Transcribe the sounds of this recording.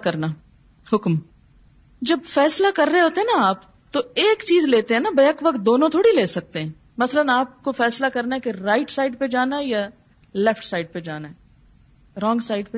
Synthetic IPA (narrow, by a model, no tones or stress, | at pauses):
kɐɾna | hʊkm | d͡ʒɐbfɛːslakɐɾːəɦeɦoːt̪eɦɛnaaːp | t̪oeːkt͡ʃiːzleːt̪eɦɛ̃nabɐjəkʋɐk̚t̪̚d̪oːnõt̪ʰoːɽileːsɐk̚t̪eɦɛ̃ː | mɐsələnaːp̚kofɛːslakɐɾnaɦɛkeɾaːɪʈsaːɪɖped͡ʒaːnaɦɛja | lɛfʈsaːɪɖ̚ped͡ʒaːnaɦɛ | ɾɔ̃ːŋɡsaːɪɖpe